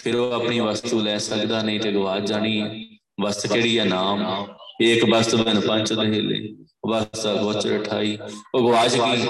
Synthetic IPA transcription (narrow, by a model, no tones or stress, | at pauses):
pʰɪɾoːəpɳiːʋəst̪uːlɛːsəkd̪aːnəĩːt̪eːɡʊʋaːd͡ʒd͡ʒaːniː | bəst̪keːɽiːɛːnaːmeːkbəst̪bɪnpəɲt͡ʃd̪eɦeːlḛː | bəst̪ːbʊt͡ʃəʈʰa̰ːiːoːɡʊʋaːd͡ʒɡiː